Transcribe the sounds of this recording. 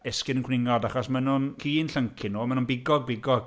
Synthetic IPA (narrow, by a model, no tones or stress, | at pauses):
ɛskɪnənkʰwnɪŋɔdaχɔsmɛnɔnkʰiːnɬəŋkʰɪnoːmɛnunbɪɡɔɡ̚bɪɡɔɡ̥